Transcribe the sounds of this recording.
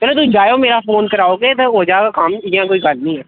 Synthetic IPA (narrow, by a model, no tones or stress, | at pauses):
t͡ʃəlot̪̬ũːd͡ʒaːjoːmeːɾafoːnkəɾaːoɡeːt̪eoːd͡ʒaːkakaːmjɐãːkoːikalnĩːɦɛː